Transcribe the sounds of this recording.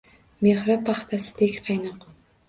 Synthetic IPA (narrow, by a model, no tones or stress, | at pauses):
meχɾapʰaχt̪ʰasɪ̥d̪ekʲqʰɑjnɨq